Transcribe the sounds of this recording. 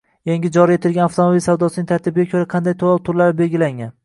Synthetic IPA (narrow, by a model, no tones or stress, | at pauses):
jaŋɡʲɪd͡ʒɒɾie̞t̪ʰɪlɡʲanaft̪ʰomabilʲsawd̪ɒsɪnɪŋt̪ʰaɾt̪ʰɪbɪɡʲakʰʲɵɾaqʰɑnd̪ajt̪ʰoɒlˠt̪ʰʊɾlaɾɪbe̞lɡʲɪlaŋʲan